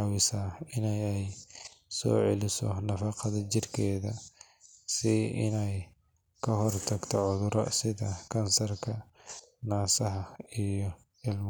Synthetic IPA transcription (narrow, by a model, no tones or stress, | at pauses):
wɪsaːɪnɛjɛjsɔ̰ːʕɛ̰lɪsɔ̰nɐfɑqɐðɐt͡ʃɪrkʰɛːðɐ | sɪɪnɛj | kʰɐɦɔrt̪ʰɐɡt̪ʰɔʕʊðʊɾɐ̰sɪðɐkʰɐnsɐrkʰɐnaːsɐɦɐijɔ | ɪlm